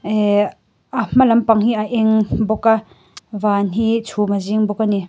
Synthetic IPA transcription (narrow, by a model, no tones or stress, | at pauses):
am̥alɐmpaŋhiʔaʔɛŋbɔka | vanɦit͡sʰumaziŋbɔkːani